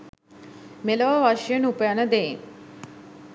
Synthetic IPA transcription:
meləʋəʋaʃjənupəjanəd̪eŋ

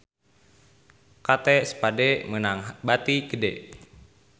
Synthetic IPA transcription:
kat̪ɛsə̥padɛmənaŋɦbat̪iɡədɛ̰

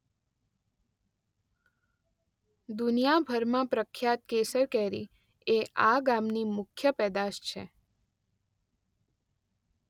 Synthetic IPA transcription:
d̪unijabʱəɾmãpɾəkʰːjat̪̚kesəɾkɛɾḭ | eʔaɡamnimʊkʰjəpɛd̪aʃt͡ʃʰḛ

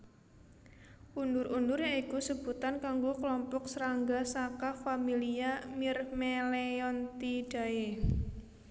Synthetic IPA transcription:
ʔundʊɾʔundʊɾjaŋikusəb̥ut̪ankaŋɡokəlɔmpɔksəɾaŋɡasakafamiliamirmeleɔnt̪iɖ̥a̤e

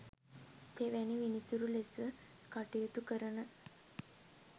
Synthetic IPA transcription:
t̪ʰeʋæniʋinisuɾulesə | kaʈijot̪ukəɾənə

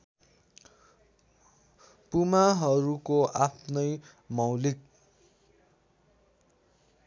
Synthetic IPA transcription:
pumaɦʌɾukoʔapʰnʌj | mʌwlik̚

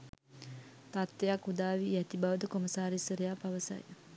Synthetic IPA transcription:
t̪at̪ʋejakːud̪aːʋijæt̪ibaʋəd̪əkoməsaːɾisəɾejaːpaʋəsa̰j

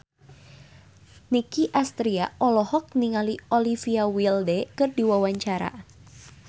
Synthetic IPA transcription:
nikiʔast̪ɾiaɔlɔhɔk̚niŋaliɔlifiawildɛkɨrdiwawaɲt͡ʃaɾa̰

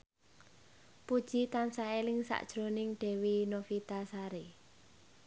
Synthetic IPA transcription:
pud̥ʒ̥i̤t̪ansaelɪŋsa̰ʔd̥ʒ̥ɾonɪŋɖ̥ɛ̤winofit̪asaɾe

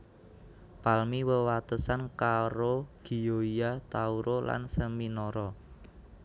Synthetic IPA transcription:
palmiwəwat̪əsankaɾoɡ̥i̤joiat̪auɾola̰nsəminɔɾɔ

